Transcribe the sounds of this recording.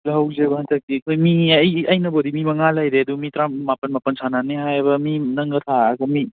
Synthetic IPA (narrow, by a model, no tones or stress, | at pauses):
lɐɦɐwzebɐɦɐntʰɐk̚tiɐkʰojmiɐjɐjnɐbodimimɐŋalajɾeɐdumitɾamːapɐnmapɐnsʰananeɦajbɐminɐŋɡɐtʰaːɡɐmi